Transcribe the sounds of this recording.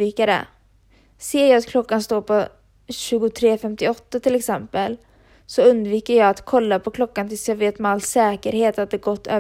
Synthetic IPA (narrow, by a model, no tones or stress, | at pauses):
iːkaɾɛ̰ | seːjaat̪kʰlɔkːanst̪oːɾpʰɔ | ɕʉ̟ːɡʊt̪ʰɾeːfɛmt̪ɪɔt̪ːat̪ʰɪlɛksɛmpəl | sɔɵnd̪viːkəɾjɑːɡat̪kʰɔlːapʰɔkʰlɔkːant̪ʰɪlsjɑveːt̪mɛalːsɛːkəɾheːt̪at̪̚d̪ɛːɾɡɔt̪ʰːøː